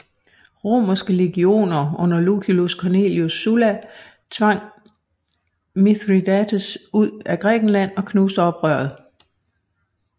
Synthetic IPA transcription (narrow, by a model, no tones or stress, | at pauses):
ʁo̝̰ːmɐsɡ̥əle̝ɡ̥io̝̰ːnɐɔ̽n̰ɐlukʰiluskʰɒne̝̰ljosːulæ | t͡sʰʋɑ̈ŋ̰ | miðʁid̥ædəsuð̰ˠæɡ̥ʁɛ̰ːɡ̥n̩læn̰ɒ̽kʰnuːsd̥əɒ̽b̥ʁœɐ̰ð̩ˠ